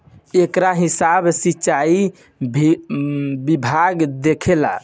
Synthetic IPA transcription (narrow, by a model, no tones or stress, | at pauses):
ekɾaɦisabsitːt͡ʃai | bibʱaɡd̪ekʰela̰